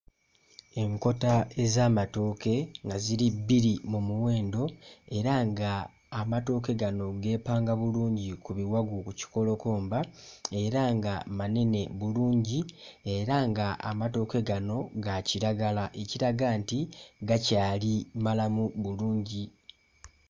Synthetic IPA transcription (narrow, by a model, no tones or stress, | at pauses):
e̞ŋko̞tae̞zaːmato̞ke̞ŋɡaziɾibːiɾimumuwe̞ːndo̞e̞ɾaŋɡaː | mato̞ːke̞ɡano̞ɡe̞ːpaːŋɡaβuluːɲɟikuβiwaɡukuci̥ko̞lo̞ko̞ːmbae̞ɾaŋɡamane̞ne̞βuluːɲɟie̞ɾaŋɡaa̰mato̞ːke̞ɡano̞ɡaciɾaɡalaʔe̞ciɾaɡaːntiɡacaːlimalamuβuluːɲɟi